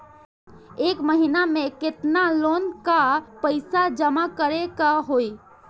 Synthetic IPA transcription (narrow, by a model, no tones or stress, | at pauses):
ekməɦinamẽket̪nalonkapəɪsad͡ʒəmakəɾekaɦoj